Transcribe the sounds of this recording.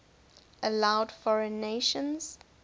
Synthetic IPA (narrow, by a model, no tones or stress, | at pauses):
ʔəlaʊdfɔɹə̃nːeʃə̃nz̥